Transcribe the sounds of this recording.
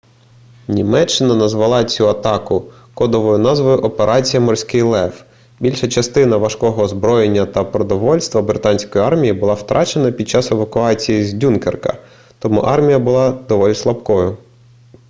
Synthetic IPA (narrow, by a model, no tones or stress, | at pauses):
nʲimɛt͡ʃːɪnɐnɐzʋɐlˠɑt͡sʲuɐt̪ɑkʊ | kɔd̪ɔʋɔjʊnɑzʋɔjʊʔɔpeɾʔɑt͡sʲijɐmɔrsʲkɪjlˠɛf | bʲilʲʃɐt͡ʃɐst̪ɪnɐʋɐʃkɔɦɔːzbɾɔjenʲːɐt̪ɐpɾɔd̪ɔʋɔlʲst̪ʋɐbɾɪt̪ɑnʲsʲkɔjiɑrmʲijibʊlˠɑwt̪ɾʔɑt͡ʃe̞nɐpʲid̪̚t͡ʃɑseʋɐkʊɑt͡sʲijizʲdʲunkerkɐ̰ | t̪ɔmuʔɑrmʲijɐbʊlˠɑd̪ɔʋɔlʲislˠɐpkɔjʊ